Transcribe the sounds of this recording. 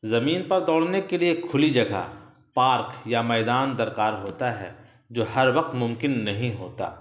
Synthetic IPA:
zɐmiːnpɐɾd̪ɔːɽ̤nekeliekʰːʊlid͡ʒɐɡʱa̰ | paːɾkjamɛːd̪aːnd̪ɐɾkaːɾɦoːt̪aɦɛ̰ː | d͡ʒoːhɐɾʋɐq̚t̪mʊ̃mkɪnːɐɦĩɦoːt̪a̰ː

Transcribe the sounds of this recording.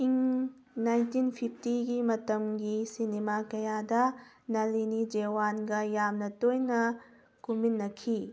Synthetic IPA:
iŋ | najntinpʰip̚ʰtiɡimɐtɐmɡisinemakɐjadɐ | nɐlinid͡ʒewanɡɐjamnɐtojnɐ | kuminːɐkʰi

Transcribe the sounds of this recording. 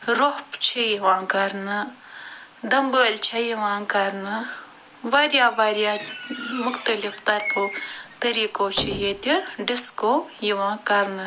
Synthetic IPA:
ɾoɦpt͡ʃʰijiʋãːkɐɾnɐ | d̪ɐmbəːlt͡ʃʰɐjiʋãːkɐɾnɨ | ʋaːɾjaːbaːɾjaːmʊxt̪ɐlift̪ɐɾpʰot̪ɐɾiːkoːt͡ʃʰijet̪iɖɪskojiʋãːkɐɾnɨ

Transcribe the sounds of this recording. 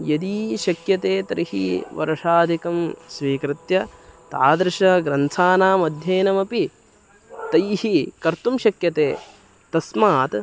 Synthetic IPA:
jɐd̪iːʃɐkjɐt̪eːt̪ɐɾihḭʋɐ̰ɾɐʂaːd̪ʱikɐmsʋiːkɾɪt̪jɐt̪aːd̪ɾɪʂɐɡɾɐnt̪ʰaːnaːmɐd̪ʱjeːnɐmɐpi | t̪ɐjhikɐɾt̪umʃɐkjɐt̪eː | t̪ɐsmaːt̪

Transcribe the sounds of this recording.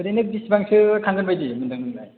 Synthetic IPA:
ɯdenɯbisbaŋsʰɯkʰanzanbajdimɯndɯŋɯnɡaj

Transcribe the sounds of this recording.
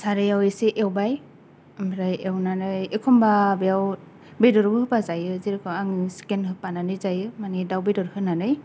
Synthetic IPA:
saɾɯjaweseʔewbaj | mbɾajewnanɯjekʰɔmbabejaw | bedɔɾbɯhɯpazajɯziɾɯkʰɯaŋsi̥kenɦɯpananɯjzajɯmanidawbedɔɾhɯnanɯj

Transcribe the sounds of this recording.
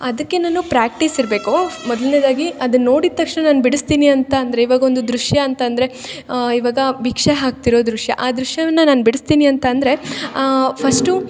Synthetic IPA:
ɐd̪ɐkːe̞naːnupɾaːk̚ʈisiɾbe̞ːkumɔd̪lneːd̪aːɡiɐd̪ɐnːo̞ːɽid̪t̪ːɐkʂnɐnaːnubiɽɐst̪iːniɐnt̪ɐːnd̪ɐɾe̞iʋaːɡɐo̞nd̪ud̪ɾuʂjɐːnt̪ɐːnd̪ɐɾe̞iʋaːɡɐbikʂeɦaːk̚t̪iɾo̞ːd̪ɾuʂjɐ̰ʔaːd̪ɾuʂjɐʋɐnːɐnaːnbiɽist̪iːniɐnt̪ɐːnd̪ɾe̞ | pʰɐsʈu

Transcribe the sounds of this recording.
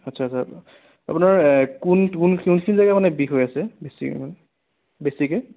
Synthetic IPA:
atsʰasʰa | a̰punaɹkunkunkʰunkʰinizaɡamanɛbiɦojasɛbesḭman | besike

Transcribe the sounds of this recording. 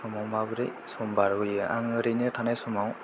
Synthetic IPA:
sɔmawmabɯɾḭsɔmbaɾɦɯjɯʔaŋɯɾinetʰanajsɔmaw

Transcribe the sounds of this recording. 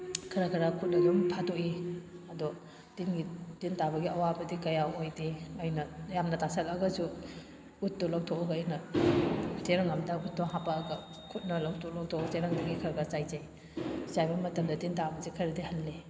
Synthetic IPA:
kʰɐɾakʰɐɾakʰut̚nɐdumtʰadoʔiɐdɔ | tinɡitintabɐɡiɐwabɐdikɐjaojdiajnɐjamnɐtasɐlɐɡɐsu | utːɔlɐk̚tʰɔɔɡjnɐ | seɾaŋamdɐkutːɔɦapaːɡɐ | kʰut̚nɐlawtʰolak̚tʰɔt͡ʃeɾaŋdɐɡikʰɐɾɡat͡ʃajzaj | sajbɐmɐtɐmdɐtintabɐzikʰɐɾidihɐlːi

